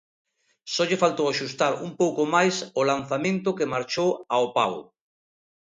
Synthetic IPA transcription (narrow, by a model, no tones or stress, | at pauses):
sɔʎefalt̪owaʃust̪aɾumpowkomajsʊlan̟θamẽnt̪ʊkemaɾt͡ʃowaopa̰wʊ̰